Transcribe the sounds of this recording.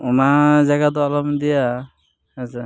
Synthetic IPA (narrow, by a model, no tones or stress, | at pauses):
ɔnad͡ʒaɡad̪ɔalɔmd̪ija | at͡ʃa